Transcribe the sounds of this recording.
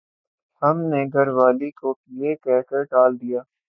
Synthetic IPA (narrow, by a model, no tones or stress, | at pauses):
hɐmneɡʱɐɾʋaːlikokjekɛːkəɾɖaːld̪ijaː